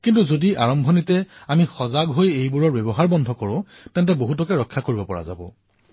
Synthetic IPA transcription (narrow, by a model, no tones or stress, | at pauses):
kintuzodiaɹɔmbʱonitɛamixɔzaɡɦojejbuɹɔɹbebɔɦaɹbɔndʱɔkɔɹʊ̃ | tɛnt̬ɛboɦutɔkɛɹɔkʰːakoɹibɔpɔɹa̰za̰bɔ̰